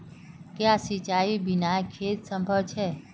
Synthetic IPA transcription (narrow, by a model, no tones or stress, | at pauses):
keasit͡ʃaibinajekʰet̪sə̃mbʱəwt͡ʃʰe